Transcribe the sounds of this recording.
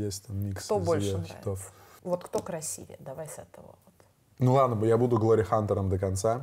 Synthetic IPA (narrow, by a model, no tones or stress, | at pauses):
jesʲtʲt̪amːʲikst̪obzolvʲʂeçʲɪt̪of | vot̪kt̪okɾɐsʲḭvʲɪ̰d̪ɐvajsɛt̪əvə̰vot̪ | nulˠad̪nəbəjabud̪ʊɡlˠoɾʲɪxant̪əɾəmd̪əkɐnt̪sa